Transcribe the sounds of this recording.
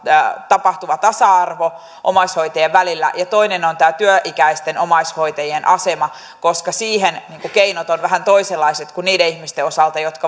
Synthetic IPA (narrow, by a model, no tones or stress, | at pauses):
t̪ɑpɑht̪uʋɑt̪ɑsɑɑrʋo | ʔomɑishoit̪ɑjeʋʋælilːæ̰jɑt̪o̞inenont̪æːt̪yøʔikæist̪enomɑishojt̪ɑjienʔɑsemɑ | koskɑsiːɦenniːŋkukeinot̪onʋæɦænt̪o̞iselːɑiset̪kunniːdeihmist̪eosɑlt̪ɑjot̪kɑ